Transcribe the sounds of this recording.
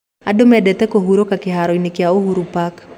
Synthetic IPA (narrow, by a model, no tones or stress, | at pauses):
adʊmɛdɛt̪ɛkoɦuɾokakɪɦaɾɔinikɪaohuɾupak